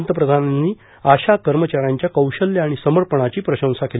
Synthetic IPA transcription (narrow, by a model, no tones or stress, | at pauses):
nt̪əpɾəd̪ʱananːiː | aɕakəɾmət͡ɕaɾaɲt͡ɕjakəwɕəljaːɽ̃isəməɾpəɳ̃at͡ɕiːpɾəɕə̃w̃sakel